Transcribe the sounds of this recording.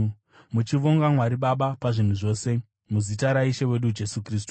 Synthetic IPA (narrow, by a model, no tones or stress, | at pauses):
mut͡ʃiʋo̞ŋɡamwaɾiɓaɓapaʐin̤uʐo̞ːse̞ | muzitaɾaiʃewe̞ɗud͡ʒe̞sukriːstu̥